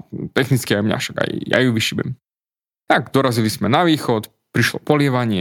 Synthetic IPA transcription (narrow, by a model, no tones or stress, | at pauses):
t̪ɛxnit͡skiajmɲa̰fʃaɡa̰jja̰juʋiʃibɛ̰m | t̪aɡd̪ɔɾazilismɛnaʋiːxɔt̪ | pɾiʃlɔ̰pɔlɪɛʋaɲɪɛ